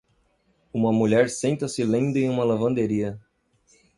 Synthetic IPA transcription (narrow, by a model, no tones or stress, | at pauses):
ũmɐmuʎɛɾsẽnt̪ɐsɪlẽd̪ʊẽj̃ũmɐlɐvɐ̃nd̪eɾiɐ